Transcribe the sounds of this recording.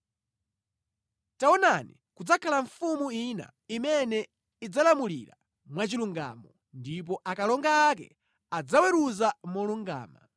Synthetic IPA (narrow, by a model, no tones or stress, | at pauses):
taɔnanḭ | kud͡zakʰalaɱfumuina̰ | imɛnɛ | id͡zalamulḭɾa | mwat͡ʃiluŋɡa̰ːmɔ | ndip̬ɔʔakalɔŋɡaːkɛ̰ | ad͡zawɛɾuzamɔluŋɡa̰ːma